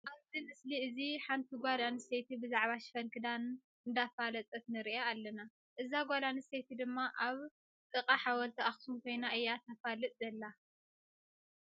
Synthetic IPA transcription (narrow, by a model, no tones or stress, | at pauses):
ʔaβzimɨsliɨziħant̪ʰiɡʷalaniset̪ʰibɨzaʕβaʃfɐlkʰɨd̪an | ɨnd̪afalɐt͡sʼɐt̪nɨɾiʔaalːɐna | ʔɨzaɡʷalaniset̪ʰid̪ɨmːaʔaβ | t̪ʼɨqʼaħawɐlt̪ʰiʔaxsumkʰo̞jnaʔɨjːat̪ʰɐfalɨt̪ʼd̪ɐlːa